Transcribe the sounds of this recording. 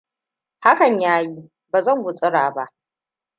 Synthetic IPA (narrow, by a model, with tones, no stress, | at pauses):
ha˦kɐ˨ɲjaː˦ji˦ | baː˨zɐ˦˨ŋwʊ˨t͡sʼɪ˦ɽaː˨ba˦ʔ